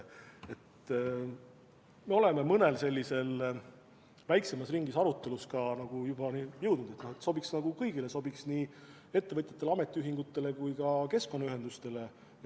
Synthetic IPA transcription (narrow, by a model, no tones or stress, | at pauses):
e̞t̪ː | me̞o̞le̞memɤne̞lse̞lʲːise̞l | væjkse̞mɑsriŋɡ̥isɑɾut̪ːˑe̞luskɑnɑɡ̥ujub̥ɑnijɤwd̪̥nud̪̥e̞t̪nohet̪so̞biksnɑɡ̥ukɤjɡ̥ile̞so̞biksniː | e̞t̪ːe̞vɤt̪ʲˑjɑt̪ːˑe̞lɑme̞t̪ːˑiyɦiŋɡ̥ut̪ːˑe̞le̞kujkɑke̞sko̞nːɑyɦe̞nd̪ust̪e̞le̞